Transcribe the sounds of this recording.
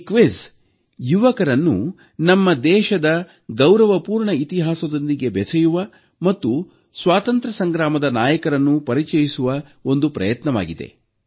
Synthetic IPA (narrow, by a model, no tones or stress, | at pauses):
kʋis | juʋɐkɐɾɐnːṵ | nɐmːɐd̪ɛːʃɐd̪ɐ | ɡɐwɾɐʋɐpuːɾɳɐit̪iɦaːsɐd̪ond̪iɡe̞bɛsɐjuʋɐ | mɐt̪ːu | sʋaːt̪ɐnt̪ɾɐsɐŋɡɾaːmɐd̪ɐnaːjɐkɐɾɐnːupɐɾit͡ʃɐjisuʋɐ | o̞nd̪upɾɐ̰jɐt̪nɐʋa̰ːɡid̪e̞̰